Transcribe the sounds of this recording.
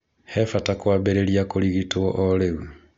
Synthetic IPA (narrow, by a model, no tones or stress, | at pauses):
hɛfatakwaːbeɾeɾijakoliɣitoɔʔoleɣu